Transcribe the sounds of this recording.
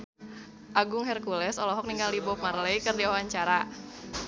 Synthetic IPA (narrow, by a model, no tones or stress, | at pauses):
ʔaɡʊŋɦɛrkulɛsɔlɔɦɔk̚niŋɡaldibɔp̚marleikɨrdiawaɲt͡ʃaɾa